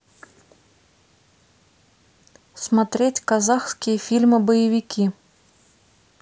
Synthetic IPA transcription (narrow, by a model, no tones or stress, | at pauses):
smat̪ɾʲetʲkazaxskʲɪjəfʲilʲmɨbəjɪvʲikʲʰi